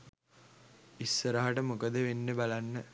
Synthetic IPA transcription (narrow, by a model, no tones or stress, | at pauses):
isːəɾaɦaʈəmukəd̪əʋenːebalanːə